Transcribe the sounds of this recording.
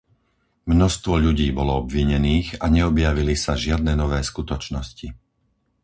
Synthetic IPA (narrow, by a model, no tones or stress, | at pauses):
mnɔst̪ʋɔʎuɟiːbɔlɔɔbʋiɲɛniːɣaɲɛɔbjaʋilisaʒɪad̪̚nɛnɔʋɛːskut̪ɔt͡ʃnɔsci